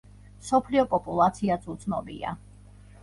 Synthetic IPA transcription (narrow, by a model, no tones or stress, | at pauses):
msɔpʰliɔpʼɔpʼulˠat̪sʰiat̪sʰʼut̪sʰnɔbḭa̰